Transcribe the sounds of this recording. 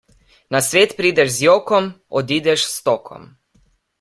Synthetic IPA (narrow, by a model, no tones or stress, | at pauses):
nasʋeːt̪pɾiːd̪ɛʃzjoːkɔm | ɔd̪iːd̪ɛʃst̪oːkʰɔ̰m